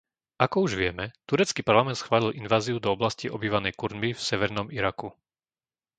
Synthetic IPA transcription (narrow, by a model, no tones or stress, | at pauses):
ʔakɔuʒʋɪɛmɛt̪uɾɛt͡skiːpaɾlamɛnt̪sxʋaːlilʔinʋaːziud̪ɔɔblasciɔbiːʋanɛjkuɾnbifsɛʋɛɾnɔmiɾaku